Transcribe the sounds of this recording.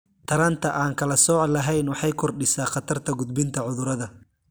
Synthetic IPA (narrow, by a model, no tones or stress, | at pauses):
t̪ʰɐɾant̪ʰɐʔaːŋkʰɐlɐsɔːʕlɐɦɛjnwɑħɑjkʰɔrɖɪsaːχɑt̪ʰɐrt̪ʰɐɡʊd̪̚bɪnt̪ʰɐʕʊðʊɾɐðɐ